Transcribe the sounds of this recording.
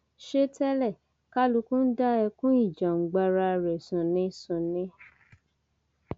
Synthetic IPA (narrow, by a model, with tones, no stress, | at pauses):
ʃe˦tɛ˦lɛ˦˨ | ka˦lu˧˦kũ˦n̩˦da˦ɛ˧kũ˦i˦˨d͡ʒã˨ŋ͡m̩˨ɡ͡ba˧ɾa˧ɾɛ˨sũ˨nĩ˧sũ˨nĩ˧˦